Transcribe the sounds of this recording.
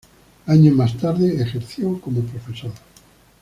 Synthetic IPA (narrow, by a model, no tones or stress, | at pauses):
aɲomast̪aɾðeexeɾθjokomopɾofesoɾa